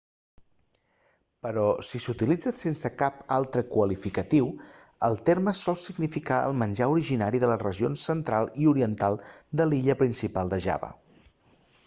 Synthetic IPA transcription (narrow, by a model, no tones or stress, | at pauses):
pəɾɔsisut̪ilid͡zəsensəkapalˠt̪ɾəkwəlifikət̪iw | əlˠt̪erməsɔlˠsiɡnifikaə̰lˠmənʲʒauɾiʒinaɾiðələrəʒionsənt̪ɾalˠiuɾiənt̪alˠd̪əliʎəpɾinsipalˠd̪əʒa̰βə̰